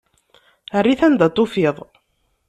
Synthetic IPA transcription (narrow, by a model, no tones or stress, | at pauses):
ərːiθænd̪æt̪ˤːʊfiðˤ